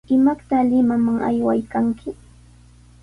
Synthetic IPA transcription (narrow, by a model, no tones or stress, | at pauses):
ɪmakt̪alɪmamaŋa̰jwajkaŋkɪ